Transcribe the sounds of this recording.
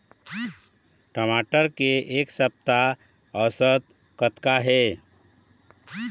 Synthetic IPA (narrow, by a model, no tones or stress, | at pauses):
ʈəmaːʈəɾkeʔeːksəp̚t̪a | əʋsət̪ | kət̪kaɦɛː